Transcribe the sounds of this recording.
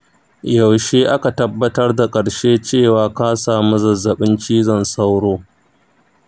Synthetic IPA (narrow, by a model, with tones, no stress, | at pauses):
jɐ˨wʃeː˦ʔa˦ka˨tɐ˦bːɐ˦tɐ˦rda˨kʼɐ˨ɽʃeː˦t͡ʃeː˦˨waː˨kaː˦saː˨mu˦zɐ˨zːɐ˨ɓɪ˦nt͡ʃiː˦zɐ˨nsa˦wɽoː˦